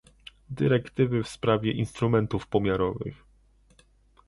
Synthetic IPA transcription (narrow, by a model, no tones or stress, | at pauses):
d̪ɘɾɛkt̪ɘvɘfspɾavʲjɛʔinst̪ɾumɛnt̪ufpɔmʲjaɾɔvɘ̰x